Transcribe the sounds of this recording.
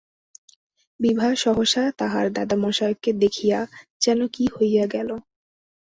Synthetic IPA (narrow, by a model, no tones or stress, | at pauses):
bibʱaʃɔɦoʃat̪aɦaɾd̪ad̪amɔʃajokːed̪ekʰijad͡ʑɛnokihojjaɡɛlo